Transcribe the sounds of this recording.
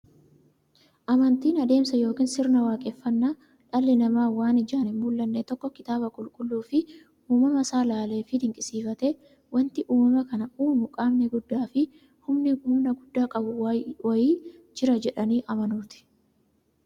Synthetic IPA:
ʔɐmɐnt̪iːnɐd̪e̞ːmsɐjo̞ːkiːnsɪɾnɐwaːkʼɛfːɐnːa | ᶑɐlːɪnɐmaːwaːnɪd͡ʒaːnɛmuːlːɐnːɛt̪ɔkːɔkɪt̪aːbɐkʼʊlkʼʊlːuːfɪ | uːmɐmɐsaːlaːle̞ːfɪd̪ɪŋkʼɪsiːfɐt̪ɛ | wɐnt̪ɪʔuːmɐmɐkɐnɐuːmʊkʼaːmnɛɡʊd̪ːaːfɪ | hʊmnɪʊmnɐɡʊd̪ːaːkʼɐbʊwɐjiːd͡ʒɪɾɐd͡ʒɛᶑɐniːʔɐmɐnʊːt̪ɪ̥

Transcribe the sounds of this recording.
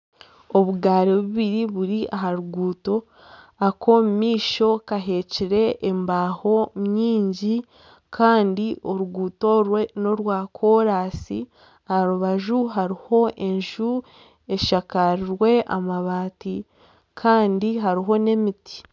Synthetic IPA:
o̞βuɡaːɾeβuβiɾiβuɾiʔaɦaɾuɡuːto̞ | ako̞mumiːʃo̞kaɦe̞ciɾe̞ʔːmbaːho̞mɲiːɲɟi | kʰaːndio̞ɾuɡuːto̞ɾweno̞ɾwaːkʰo̞ɾaːsi | ahaɾuβaʒuɦaɾiho̞ʔe̞ɲʒu | e̞ʃakaɾiɾwe̞ʔa̰maβaːti | kʰaːndiɦaɾiɦo̞ne̞miti̥

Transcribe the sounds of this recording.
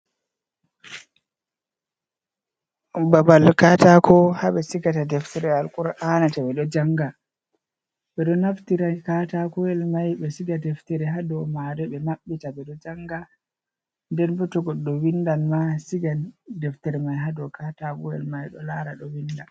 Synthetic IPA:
babalkatakʰɔhaɓɛsiɡatadɛftɛɾɛalkuɾʔanatabɛɗɔd͡ʒaŋɡa | ɓɛɗɔnaftiɾakatakɔɛlmajɓɛsiɡadɛftɛɾɛɦadɔmaɾɛɓɛmaɓːitabɛɗɔd͡ʒaŋɡa | ndɛnbɔtɔɡɔɗɔwindanmasiɡandɛftɛɾɛmajɦadɔkʰatakɔɛ̰lmajɗɔ̰laɾaɗɔwinda

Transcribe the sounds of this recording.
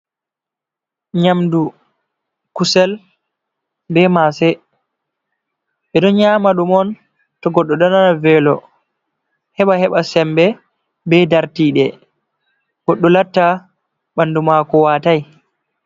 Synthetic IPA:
ɲamdu | kusɛl | bɛmasɛ | ɓɛɗɔnɲaːmaɗumɔn | tɔɡɔɗːɔɗananavɛlɔ | hɛɓahɛɓasɛmbɛ | bɛdaɾtiɗɛ | ɡ̥ɔɗːɔlatːa | ɓandumakɔwataj

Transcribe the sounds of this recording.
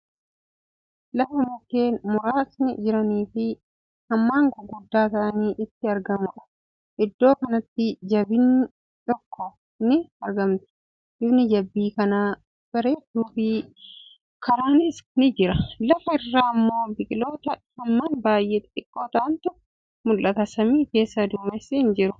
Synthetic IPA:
lɐfɐmʊkːeːnmʊɾaːsnɪ̰d͡ʒɪɾɐniːfɪ | hɐmːaːŋkɔɡʊd̪ːaːt̪ɐʔɐniːʔɪt̪ːɪɐɾɡɐmɐʔɐ̥ | ʔɪd̪ːo̞ːkɐnɐt̪ːɪd͡ʒɐbɪnːɪ | t̪ɔkːɔ | nɪɐɾɡɐmt̪ʊ̥ | ʔɪbnɪd͡ʒɐbːiːkɐnaː | b̥ɐɾeːd̪uːfɪ | kʰɐɾaːnɪsnɪd͡ʒɪɾɐlɐfɐɪrːaːɐmːo̞ːbɪkʼɪlo̞ːt̪ɐhɐmːaːnbaːjʔeːt̪ᶑɪkʼːoːt̪ɐɐnt̪ʊ | mʊlːɐt̪ɐsɐmiːke̞ːsːɐd̪uːmesːɪɪnd͡ʒɪɾʊ

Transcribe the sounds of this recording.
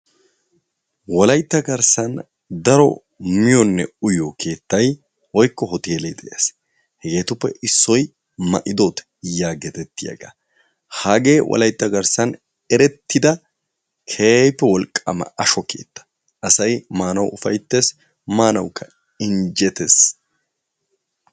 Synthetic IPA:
wɔlɐjt̪ːɐɡɐɾsɐn | d̪ɐɾɔ̰ | mɪjɔnːɛ̰ʊjokʰe̞ːt̪ːɐj | wɔjkːɔɦɔt̪eːlɛjd̪ɛʔeːs | hɛɡe̞ːt̪ʊpːɛʔɪsːɔj | mɐ̰ʔɪd̪oːt̪ɛ̥ | jaːɡɛt̪ɛt̪ːɪjɐ̰ɡa̰ː | haːɡe̞ːwʔɔ̰lɐjt̪ːɐɡɐɾsɐn | ɛɾɛt̪ʰːɪd̪ɐ | kʰe̞ːpːɛwɔlkʼːɐ̰mɐ̰ɐʃɔkʰḛːt̪ːɐ̥ | ʔɐsɐjmaːnɐwʊfɐjt̪ːeːs | maːnɐwkʰːɐ | ɪnd͡ʒɛt̪es

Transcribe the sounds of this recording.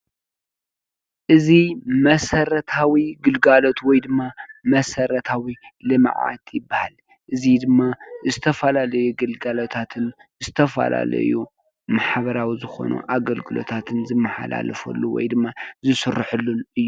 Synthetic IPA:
ʔɨzimɐsɐɾɐt̪ʰawiɡɨlɡalo̞t̪wɔjd̪ɨmːamɐsɐɾɐt̪ʰawilɨm̰ʕʕa̰t̪ʰjɪbːahal | ʔɨzid̪ɨmːazɨt̪ʰɐfɐlalɐjuɡɨlɡalot̪ʰat̪ʰɨnzɨt̪ʰɐfɐ̰la̰lɐ̰ju | maħβɐɾawizɨxo̞̰nʔṵʔaɡɐlɡɨlo̞̰t̪ʰat̪ʰɨnzɨmːɐħa̰la̰lɐfɐ̰lːuwɔ̰jd̪ɨmːazɨsɨrːɨħɨlːunʔɨjːu

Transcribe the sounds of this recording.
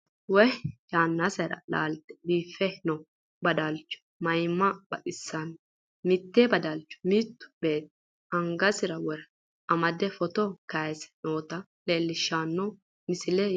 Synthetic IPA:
wɔjaːnːasɐɾɐ̰la̰ːlt̪ɛ̥biːfːɛnɔ | bɐd̪ɐlt͡ʃːʊ̥ | mɐjmːɐbɐ̰kʼɪsːɐn | mɪt̪ːeːbɐd̪ɐlt͡ʃːʊ̥miːt̪ːʊ̥b̥e̞ːt̪̚ːɛ̥ | ɐŋɡɐsɪɾɐwɔɾ | ʔɐmɐd̪ɛfɔt̪ɔkɐjsɛ̥noːt̪ɐ | le̞ːlːɪʃːaːnːɔ | mɪsɪlɛ

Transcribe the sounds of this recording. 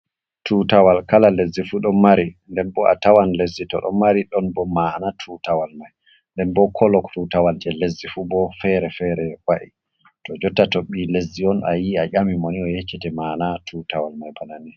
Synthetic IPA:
tutawalkalalezːifuɗɔnmaɾindɛnbɔʔa̰tawanlezːitɔ̰ɗɔ̰mːaɾiɗɔnbɔmanatʰutawalmaj | ndɛnbɔkʰɔlɔktutawald͡ʒɛlezːifubɔfɛɾɛfɛɾɛwaʔi | tɔd͡ʒɔtːatoɓːilezːiɔnajiaʔamimoniɔjet͡ʃːɛtɛmaːnatʰutawalmajbanani

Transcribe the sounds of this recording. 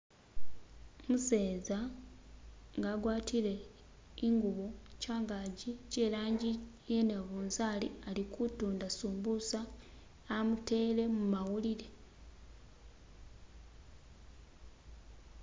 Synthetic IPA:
muse̞ːza | ŋɡaːɡwaːtile̞ | iŋɡuβocaːŋɡaːɟicelaːɲɟijeneβuːnsaːlialikutuːndasuːmbusaː | mute̞le̞mumawuliɾe̞

